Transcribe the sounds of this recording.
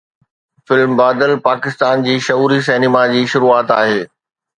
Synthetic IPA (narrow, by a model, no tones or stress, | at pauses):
fɪlmbaːd̪əlpaːkɪst̪aːnd͡ʑiːʃɐuːɾis̬ɛːnɪmad͡ʑiːʃʊɾuːaːt̪aːɦeː